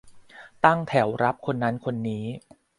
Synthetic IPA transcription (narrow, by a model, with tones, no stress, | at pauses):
t̪a˥˩ŋt̪ʰɛ˩˦wɾa˦˥p̚kʰo˧nːa˦˥nkʰo˧nːiː˦˥